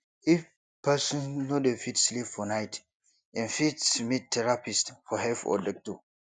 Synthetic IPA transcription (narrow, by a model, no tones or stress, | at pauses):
if | pʰɛsɔ̃nnodefitslipfɔnaɪt | ɛ̃nfitsmit̚tʰɛɹapistfɔɦɛlfɔ̰dɛk̚tu